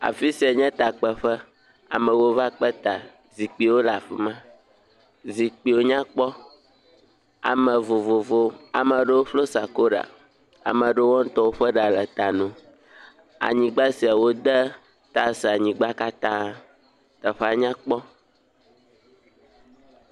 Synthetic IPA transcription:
a̰˨fi˦si˨a˨ɲɛ̃˦t̪a˨k͡pɛ˨ɸə˦ | a̰˨mɛ̃˨wo˦va˦k͡pə˦t̪a˨ | zi˨k͡pi˨wo˦la˨ɸḭ˦mã˦ | zi˨k͡pi˨wo˦ɲã˦k͡pɔ˦ | a̰˨mə̃˨vo˨vo˨vo˦a˨mə̃˨ɖe˦wo˦ɸlo˦sa˨ko˦ɖa̰˨ | a̰˨mə̃˨ɖe˦wɔ̃˦n̩˦t̪ɔ˦wo˦ɸə˦ɖa˨lɛ˨t̪a˨nũ˨ | a̰˨ɲĩ˨ɡ͡ba˦si˨a˨wo˦d̪ə˦ | t̪a˨si˨a˨ɲĩ˨ɡ͡ba˦ka˦t̪ã˦ | t̪a˨ɸɛ˦a˨ɲã˦k͡pɔ˦

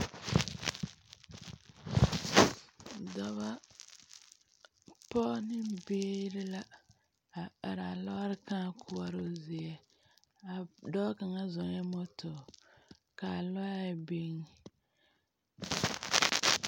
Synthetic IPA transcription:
dɔ˦βa˦ | pɔ˦nɪ˦beː˦ɾɪ˦la˦ | a˨a˨ɾa˨lɔ˦ɾɪ˦kãː˦˨kʰʊ˦a˦ɾo˦zɪ˨ɛ˨ | a˨dɔː˦ka˨ŋa˦zɔ˨ŋ˦a˦mɔ˦tɔ˨ | ka˨lɔ˦ja˦˨be˦ŋ˨

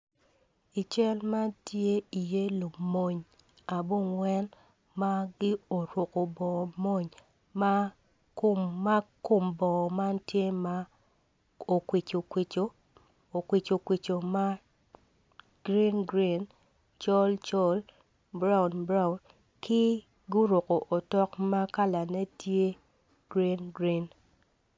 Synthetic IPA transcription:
i˨t͡ʃɛ˦lma˦tje˦i˨je˦lo˨mo˨ɲ | a˨bo˦˨ŋwɛ˦n | ma˦ɡɪ˦o˨ɾʊ˨ko˨bɔ˨mo˦ɲ | ma˦ | ko˨mːa˦ko˦˨mbɔ˨ma˦ntje˦ma˦ | o˨kwɪ˨t͡ʃo˨kwe˨t͡ʃo˦ | o˨kwi˨t͡ʃo˨kwi˨t͡ʃo˨ma˦ | ɡ̥ɾi˦nɡɾi˦˨n | t͡ʃɔ˦lt͡ʃɔ˦l | bɾa˦wʊ˨nbɾa˦ʊ˨n | kɪ˦ | ɡu˦ɾo˨ko˨ʔo˨tɔ˦kma˦ka˦la˨ne˦tje˦ | ɡ̥ɾi˦nɡɾi˦n

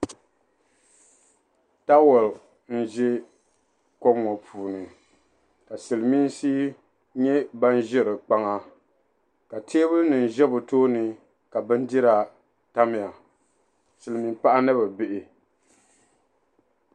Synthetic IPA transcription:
ta˦wɔ˨l | n̩˦ʒɛ˦ | kɔ˦ŋɔ˨pʰuː˨nɨ˨ | ka˨sɨ˨lmi˦n˦siː˦ | ɲɛ˦ba˦n˦ʒɪ˦ɾɨ˨k͡pa˦ŋa˦ | ka˨tʰeː˦bɨ˦nɨ˨n˨ʒɛ˦bʊ˨toː˦nɨ˨ | ka˨bɨ˦n̩˦di˦ɾa˨ | ta˦mɪ˨ja˨ | sɨ˨lmi˨mpa˦ʔa˦nɨ˦ba˨bɪ˦ʔɪ˨

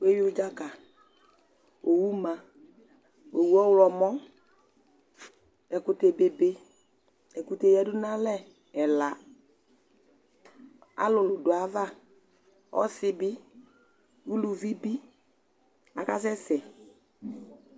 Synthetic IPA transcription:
we˦ji˦ʊ˦d͡ʒa˦ka˨ | o˨wu˦ma˨ | o˨wu˦ɔ˦wlɔ˨mɔ˦ | ɛ˨kʊ˨te˨be˨be˦ | ɛ˨ku˨te˨jɛ˨dʊ˦na˦lɛ˦ | ɛ˨la˨ | a̰˦lʊ˨lʊ˨dʊ˨a˨˦va˦ | ɔ̰˦sɪ˦bɪ˦ | wu˦lu˨vi˦bi˦ | a˨ka˦s̬ɛ˦sɛ˨

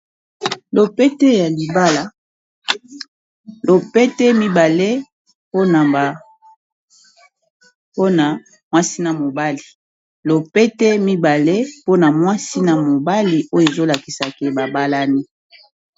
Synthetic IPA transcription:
lo˨pɛ˦tɛ˦ja˨li˨ba˦la˦ | lo˨pɛ˦tɛ˦mi˦ba˨le˦ | po˦na˨ba˨ | po˦na˨ | mwa˦si˦na˨mo˨ba˦li˨ | lo˨pɛ˦tɛ˦mi˦ba˨le˦po˦na˨mwa˦si˦na˨mo˨ba˦li˨ʔo˦jo˨e˨zo˦la˨ki˨sa˨ke˦ba˨ba˦la˦ni˦

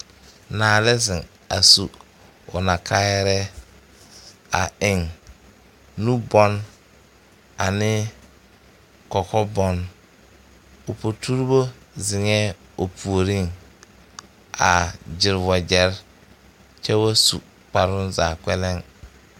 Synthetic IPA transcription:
naː˨lɛ˦zɪ˨ŋ | a˨su˨ | ʊ˨na˨kʰa˦jɛ˦ɾɛ˦ | a̰˨ɪ˨ŋ | u˦bɔ˦n | a˨nɪ˦ | kɔ˨kɔ˦bɔ˦n | o˨po˨tʰu˦ɾbo˦zɪ˨ŋɛː˦ | o˨pʰu˨o˨ɾi˦˨ŋ | a̰˨d͡ʒɪ˨ɾwɔ˨d͡ʒɛ˨˦ɾ | t͡ʃɛ˦wa˦su˨ | k͡pa˨ɾʊ˦nza̰ː˨kɛ˦lɛ˦ŋ

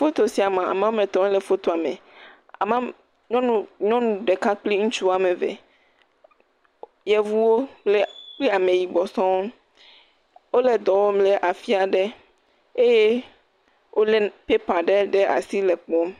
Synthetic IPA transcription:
fo˦t̪o˨si˨a˨mã˨a̰˨mã˦o˦mẽ˨t̪ɔ̃˨mɛ̃˦le˨fo˦t̪o˨a˨me˨ | a̰˨mã˦ | ɲɔ̃˦nũ˨ɲɔ̃˦nũ˨ɖe˨ka˦k͡pli˦ŋũ˦t͡ʃu˦wa˨mẽ˨vḛ˨ | jɛ˦vu˦wo˦k͡ple˦k͡pli˦a˨mẽ˨ji˨ɡ͡bɔ˨sɔ̃˦w | wo˦le˨d̪ɔ˨wo˦mle˦ʔa˨fi˦a˨ɖe˦ | e˦je˦ | wʔo˦le˦pe˦pa˨ɖe˦ɖe˦ʔa̰˨si˦le˨k͡pɔ˦m˦

